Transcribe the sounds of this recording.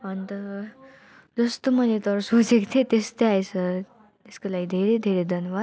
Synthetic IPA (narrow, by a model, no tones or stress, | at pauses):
ənt̪ə | d͡zəst̪əmənet̪əɾsod͡zekt̪ʰet̪est̪eajt͡sə | eskəlaid̪ʱeɾed̪ʱeɾed̪ʱənʋa